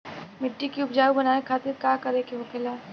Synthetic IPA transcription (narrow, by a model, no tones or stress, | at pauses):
mɪʈːikiʊpd͡ʒaːʋibɐnaːekʰaːt̪ɪɾkaːkɐɾekeɦokeːlaː